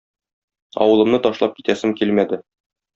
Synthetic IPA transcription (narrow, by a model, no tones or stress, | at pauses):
ɒ̰wɤ̆lˠɤ̆mnɤt̪ɒʃlˠɑp̚ki̥t̪æsɘmkilmæd̪ɘ